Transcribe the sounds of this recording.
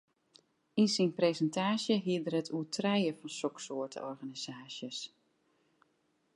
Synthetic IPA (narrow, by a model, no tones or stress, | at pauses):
insinprezəntʰaːsjəɦiədərətʰuətʰrɛjəfɑnsɔksoːtʰə̰ɔrɣaniz̥aːsjəs